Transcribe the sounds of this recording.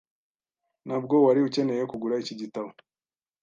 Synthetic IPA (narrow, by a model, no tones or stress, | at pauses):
nab̚ɡo̞waɾiuce̞ne̞jekuɡuɾaiciɟitaβo